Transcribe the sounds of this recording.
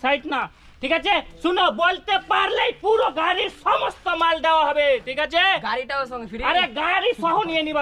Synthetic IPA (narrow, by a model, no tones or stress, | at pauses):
sajʈna | ʈʰikat͡ʃʰesunɔbɔlt̪epaɾlejpuɾoɡaɾisɔmɔst̪ɔmald̪awaɦɔbeʈʰikat͡ʃʰeɡaɾiʈasaɾeɡaɾisɔɦõnieniba